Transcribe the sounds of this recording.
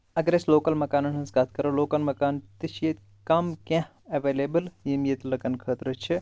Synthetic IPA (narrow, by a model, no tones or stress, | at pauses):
ɐɡɾeːsloːkɐlmɐkaːnɐnɦɐ̃nsɡaːt̪̚ʰkɐɾoloːkɐnmɐkaːnt̪iʃjet̪ | kɐmkẽh | ɐʋeːleːbɨljimjet̪lɐkɐnkʰəːt̪ɾɐt͡ʃʰi